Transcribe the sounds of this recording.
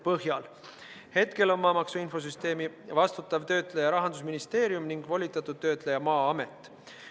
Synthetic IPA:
pɤhjɑl | he̞t̪ke̞lo̞nmɑːmɑksuinfo̞s̬yst̪e̞ːmi | vɑst̪ut̪ːˑɑvt̪ø̞ːt̪ˑlejɑɾɑɦɑnd̪us̬minist̪e̞ːɾjumniŋɡ̥volʲit̪ːˑɑt̪ːˑud̪̥̚t̪ːø̞ːt̪lejɑmɑːɑme̞t̪ːˑ

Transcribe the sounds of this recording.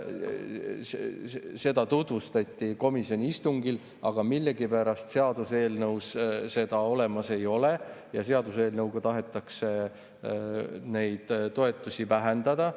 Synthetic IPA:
sese̞d̪̥ɑt̪ut̪vust̪ɑt̪ʲːˑiko̞miso̞nʲiist̪uŋɡil | ɑɡ̥ɑmilːe̞ɡ̥ipæɾɑst̪se̞ɑd̪̥use̞ːlnɤwsse̞d̪̥ɑo̞le̞mɑse̞jo̞le̞jɑse̞ɑd̪use̞ːlnɤwɡ̥ɑt̪ɑɦe̞t̪ːˑɑkse̞ | ne̞jd̪̥t̪ːo̞e̞t̪ːˑusivæɦe̞nd̪̥ɑd̪ɑ

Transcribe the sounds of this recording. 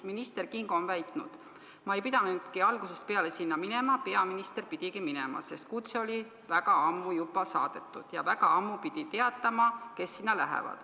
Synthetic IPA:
minist̪e̞rkiŋɡ̥onvæjt̪ˑnṵd̪̥ | mɑe̞jpid̪̥ɑnd̪̥kiɑlɡ̥use̞st̪̚pe̞ɑle̞sinːɑmine̞mɑpe̞ɑminist̪e̞rpid̪̥iɡiminemɑ̰se̞st̪̚kut̪seo̞lʲi | væɡ̥ɑɑmːujubˑɑsɑ̰ːd̪̥e̞t̪ːˑud̪̥jɑ̰væɡ̥ɑɑmːupid̪̥it̪e̞ɑt̪ːˑɑmɑke̞sːinːɑlæɦḛvɑ̰d̪̥

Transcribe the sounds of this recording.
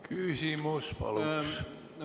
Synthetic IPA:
kʰysimuspɑ̰lus

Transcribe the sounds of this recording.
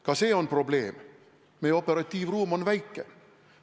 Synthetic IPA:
kʰɑseːɔnpʰɾʊbleːm | mɛɔpəɾɑt̪iːʋɾuːmɔnʋæɪkə

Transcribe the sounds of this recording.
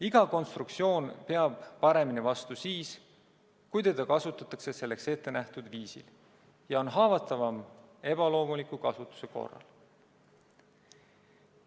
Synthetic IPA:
iɡ̥ɑko̞nst̪ɾuk̪̚sio̞ːnpe̞ɑb̥ːɑɾe̞minivɑst̪usiːs | kujt̪e̞d̪̥ɑkɑsut̪ːˑɑt̪ːˑɑkse̞se̞lːe̞kse̞t̪ːe̞næht̪ud̪viːsḭl | jɑo̞nɦɑːvɑt̪ːˑɑvɑme̞b̥ɑlo̞ːmulikːˑukɑsut̪ːˑu̥se̞ko̞̰rːɑ̰l

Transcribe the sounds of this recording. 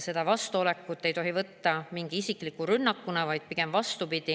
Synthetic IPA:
se̞d̪̥ɑvɑst̪uo̞le̞kːˑut̪ːe̞jt̪o̞ɦivɤt̪ːɑmiŋɡ̥iisikˑlikuɾynːɑkːunɑvɑjd̪̥̚piɡ̥e̞mvɑst̪upid̪̥i

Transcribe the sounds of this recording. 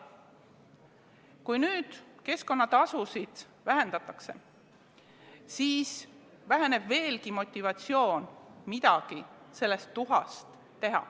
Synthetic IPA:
kujnyːd̪̥ke̞sko̞nːɑt̪ɑsusid̪̥ | væɦe̞nd̪ɑt̪ːˑɑkse̞̰ | siːs | væɦene̞b̥ve̞ːlkimo̞t̪ʲːivɑt̪sijo̞ːnmid̪̥ɑɡ̥ise̞lːe̞st̪ːuɦɑ̰st̪ːe̞ɦɑ̰

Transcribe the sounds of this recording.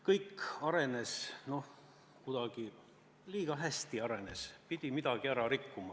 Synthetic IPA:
kɤjkːɑɾe̞ne̞sno̞h | kud̪̥ɑɡ̥i | liːɡ̥ɑɦæsʲt̪iɑɾe̞ne̞spid̪̥ʲimid̪̥ɑɡ̥iæɾɑɾikːumɑ

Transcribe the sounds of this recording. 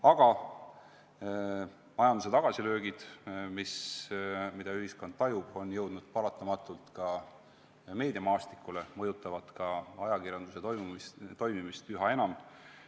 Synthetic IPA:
ɑɡ̥ɑ | mɑjɑnd̪use̞t̪ɑɡ̥ɑsilø̞ːɡ̥id̪̥mis | mid̪̥ɑyɦisko̞nd̪̥t̪ɑjub̥o̞njɤwd̪̥nud̪̥̚pɑlɑt̪ːˑɑmɑt̪ːˑult̪kɑ | me̞ːd̪̥ʲiɑmɑːst̪i̥kːˑule̞mɤjut̪ːˑɑvɑt̪kɑɑjɑkirjɑnd̪̥use̞t̪ojmt̪o̞jmimist̪yɦɑe̞nɑm

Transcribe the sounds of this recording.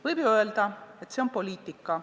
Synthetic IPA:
vɯjbjuøeld̪̥ɑe̞t̪ːseo̞npo̞lʲiːt̪ːˑikːɑ

